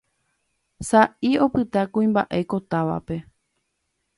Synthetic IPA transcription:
saʔio̞pɨt̪akũĩmba̰ʔe̞ko̞t̪aʋa̰pe̞

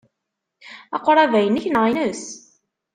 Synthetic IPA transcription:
ɑ̰qʷːɾˤævæjənːiçnəʁinəs

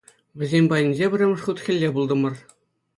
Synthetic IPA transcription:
ʋʲɘ̆zʲemʲbɑjĭnʲzʲebʲɘ̆rʲɘ̆mɤ̆ʂχut̪χʲɘ̆lʲːebulˠd̪ɤ̆mɤ̆r

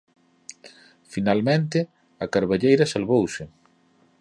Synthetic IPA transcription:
finalmẽnt̪̬ɪ | ɐkaɾβaʎejɾɐsalβowsɪ

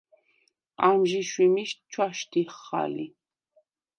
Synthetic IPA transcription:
amʒiʃwimiʃtt͡ʃʰwaʃt̪iχːa̰li

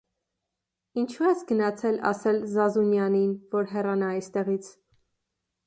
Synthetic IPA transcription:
int͡ʃʰuɛsɡənɑt͡sʰɛlɑ̰sɛlzɑzunjɑninvɔɾɦɛrɑnɑɑjst̪ɛʁit͡sʰ

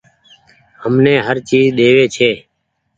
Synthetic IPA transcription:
həmnẽːɦəɾt͡ʃiːzɗ̪eːʋeːt͡ʃʰeː

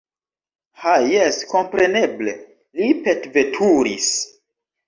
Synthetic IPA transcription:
hajesko̞mpɾe̞ne̞ble̞̰ | lipetve̞tʰuɾḭs

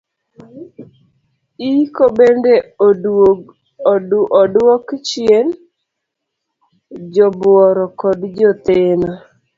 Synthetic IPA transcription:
ikobende | ʔɔdwɔkt͡ʃɪen | d͡ʒɔbʊɔɾɔkɔdd͡ʒɔt̪enɔ

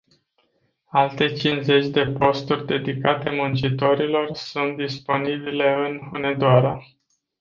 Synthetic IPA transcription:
alt̪e̞t͡ʃinze̞t͡ʃʲd̪e̞po̞st̪urʲd̪e̞d̪ikat̪e̞munt͡ʃit̪o̞ɾilo̞rsunt̪̚d̪ispo̞nibile̞ɨnhune̞d̪oaɾa

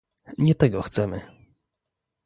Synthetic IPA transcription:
ɲɛt̪ɛɡɔxt̪sɛmɘ

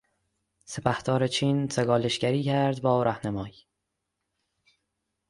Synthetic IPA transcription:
sepʰæht̪ɒːɾet͡ʃʰiːnseɡɒːleʃcæɾiːcʰæɾd̪bɒːɾæhnæmɒːj

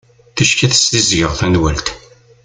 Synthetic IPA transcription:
θəʃkæθə̥st̪izʝəʁθænwælt̪

